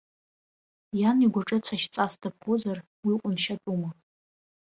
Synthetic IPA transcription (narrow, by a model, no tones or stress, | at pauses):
janiɡʷaʈ͡ʂʼɨt͡sʰaʃt͡sʼasdap̚ʰχozar | wiqʷʼʊnʃatʼuma